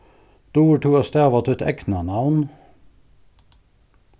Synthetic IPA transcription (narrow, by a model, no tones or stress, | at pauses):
d̪̥uːʈuːɑst̪æːʋɑt̪ʰʉt̪ɛ̰knɑnɑʋn